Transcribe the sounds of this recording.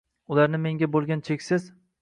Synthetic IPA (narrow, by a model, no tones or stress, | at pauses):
ʊlaɾnɪme̞ŋɡʲabolˠɡʲant͡ʃʰekʲsɪz̥